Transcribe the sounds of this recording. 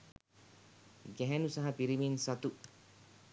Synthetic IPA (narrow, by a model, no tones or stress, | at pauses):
ɡɛɦɛnusɐɦɐpiɾiminsɐt̪u